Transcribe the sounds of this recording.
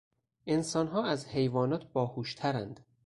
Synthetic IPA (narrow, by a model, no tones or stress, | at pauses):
ʔe̞nsɒːnɦɒːæzhe̞jvɒːnɒːt̪̚ʰbɒːhuːʃt̪ʰæɾænd̪̥